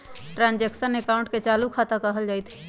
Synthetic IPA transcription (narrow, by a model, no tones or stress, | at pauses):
ʈɾãnd͡ʒeksənekaʊ̃ɳʈ̚ket͡ʃalukʰat̪akəɦəld͡ʒaːjt̪ʰ